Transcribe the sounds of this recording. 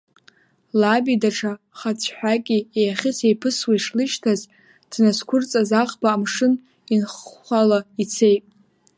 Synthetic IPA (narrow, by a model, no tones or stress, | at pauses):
labidaʈ͡ʂʰa | χat͡sʷʰħʷᶣakʲʼiejaχʲɪsejpʰɨswaiʂlɨʃtʰaz | d̥naskʷʰʊrt͡sʼazaqʼbaːmʂɨn | inχːʷalait͡sʰe̞jtʼ